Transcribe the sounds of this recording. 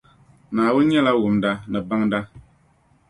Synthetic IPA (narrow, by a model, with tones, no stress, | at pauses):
naː˨wʊ˦n˦ɲɛ˦la˦wo˨mda˦nɨ˨ba˦ŋda˦